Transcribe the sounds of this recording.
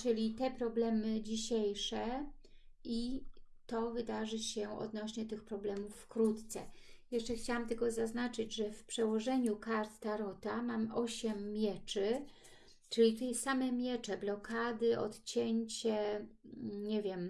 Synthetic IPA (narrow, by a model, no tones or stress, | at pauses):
t͡ʂɘlʲit̪ɛpɾɔblɛmɘd͡ʑiɕejʂɛ | ʔit̪ɔvɘd̪aʐɘɕɛɔ̰d̪nɔɕɲɛt̪ɘxpɾɔblɛmufːkɾut̪t̪sɛ̰jɛʂt͡ʂɛxt͡ɕawamt̪ɛɡɔzaznat͡ʂɘd͡ʑʐɛfpʂɛwɔʐɛɲukaɾt̪ːaɾɔt̪amamʔɔɕɛmːʲjɛt͡ʂɘ | t͡ʂɘlʲit̪ɛjsamɛmʲjɛt͡ʂɛblɔkad̪ɘʔɔ̰t̪t͡ɕɛɲt͡ɕɛ | ɲɛvʲjɛm